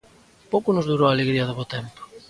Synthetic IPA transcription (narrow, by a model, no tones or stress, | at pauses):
powkʊnʊzðuɾowaleɣɾiɐðoβot̪ɛmpo̥